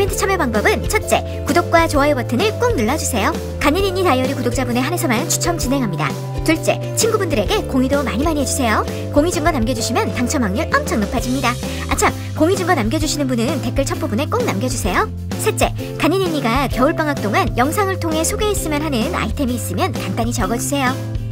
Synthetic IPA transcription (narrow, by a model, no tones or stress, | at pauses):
bentʰɯ̥t͡ɕʰʌmjʌpaŋbʌbɯnt͡ɕʰʌt̚t͡ɕ͈e̞ | kudok̚k͈wat͡ɕoajebʌtʰɯnɯɭk͈oŋnɯɭːad͡ʑusʰe̞jo | kaɲːiniɲːitajʌɾikudok̚t͡ɕ͈abune̞ɦane̞sʰʌmanɯnt͡ɕʰu̥t͡ɕʰʌmt͡ɕinɦe̞ŋɦamɲida̰ | tuɭt͡ɕ͈e̞̰ | t͡ɕʰinɡubundɯɾe̞ɡe̞koŋidomaɲimaɲiɦe̞d͡ʑusʰe̞jo | koŋid͡ʑɯmɡwanamɡjʌd͡ʑuɕʰimjʌntaŋt͡ɕʰʌmaŋɲɯɭʌmt͡ɕʰʌŋnopʰad͡ʑimɲida | a̰t͡ɕʰam | koŋid͡ʑɯmɡwanamɡjʌd͡ʑuɕʰinɯnbunɯnte̞k͈ɯɭt͡ɕʰʌp͈ubune̞k͈oŋnamɡjʌd͡ʑusʰe̞jo | sʰet͡ɕ͈e̞ | kaɲːiniɲːiɡakjʌuɭp͈aŋak̚t͈oŋanjʌŋsʰaŋɯɭtʰoŋɦe̞sʰoɡe̞ɦes͈ɯmjʌnɦanɯna̰itʰe̞miːs͈ɯmjʌnkant͈aɲit͡ɕʌɡʌd͡ʑusʰe̞jo